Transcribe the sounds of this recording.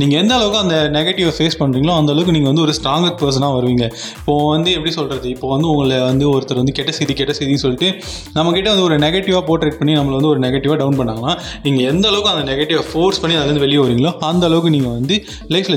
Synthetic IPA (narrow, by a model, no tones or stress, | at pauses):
niːŋɡɐɛnd̪ɐːlɐʋɯkːɯ̃ɐnd̪ɐnɛɣeʈːɪʋaːfeːspɐɳːɾiːŋɡɐɭõːɐnd̪ɐːlɐʋɯk̬ːɯniːŋɡɐʋɐnd̪ɯɔɾɯsʈɾaːŋɡɐk̚pɐs̬ɐnaːʋɐɾɯʋiːŋɡɐ | ɪpːoːʋɐnd̪ɯɛpːɐɽisɔlɾɐðɯɪpːoːʋɐnd̪ɯʊŋɡɐɭʋɐnd̪ɯɔɾɯt̪ːɐɾɐʋɐnd̪ɯkɛʈːɐsɛjðikɛʈːɐsɛjðinsɔlːɪʈːɯ | nɐmːɐkɪʈːɐʋɐnd̪ɯɔɾɯnɛɣeʈːɪʋaːpoːʈɾeːʈ̚pɐɳːinɐmːɐɭɐɐnd̪ɯɔɾɯnɛɣɐʈːɪʋaːɖɐʊnpɐɳːaːŋɡɐnːaː | niːŋɡɐɛnd̪ɐːlɐʋɯkːɯɐnd̪ɐnɛɣeʈːɪʋaːfoːɾspɐɳːiɐðɐɾnd̪ɯʋɛɭɪjɐːʋɐɾiːŋɡɐɭõːɐnd̪ɐːɭɐʋɯkːɯniːŋɡɐʋɐnd̪ɯ | lɐɪfl